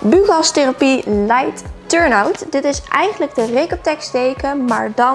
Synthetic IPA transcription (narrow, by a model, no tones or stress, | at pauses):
bykɑsterapilɛjtːøɹnawtdɪtɪsʔɛjχənləɡ̚dərɪkəp̚tɛkstejkəma̰ːɹdɑ